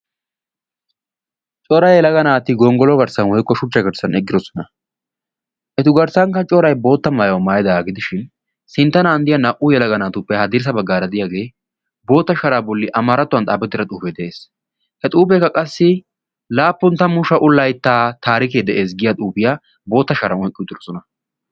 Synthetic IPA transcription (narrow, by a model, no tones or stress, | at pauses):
t͡ʃʼɔɾɐjjɛlɐɡɐnaːt̪ɪɡɔŋɡɔlɔɡɐɾsɐnwɔjkːɔʃʊt͡ʃːɐɡɐɾsɐnɛɡːɪd̪ɔsɔ̥nɐ | ʔɛt̪ʊɡɐɾsɐŋkɐt͡ʃʼɔɾɐjbo̞ːt̪ːɐmaːjwɐmaːjɛd̪ɐaːɡɪd̪ɪʃɪn | sɪnt̪ːɐnaːnd̪ɪjɐnɐʔʊjɛlɐɡɐnaːt̪ʊpːɛhɐd̪ɪɾs̬ɐbɐɡːaːɾɐd̪ɪjaːɡe̞ː | bo̞ːt̪ːɐʃɐɾaːbɔlːɪʔɐmaːɾɐt̪ːʊwɐnt̪ʼaːbɛt̪ːɪɾɐt̪ʼuːpeːd̪ɛʔeːs | hɛt̪ʼuːpekːɐkʼɐsːɪ | laːpːʊnt̪ɐmʊʃɐʔʊlːɐjt̪ːaːt̪aːɾɪkeːd̪ɛʔeːs̬ɡɪjat̪ʼuːpɪjaː | bo̞ːt̪ːɐʃɐɾɐnɔjkʼɪt̪ːɪɾɔsɔnɐ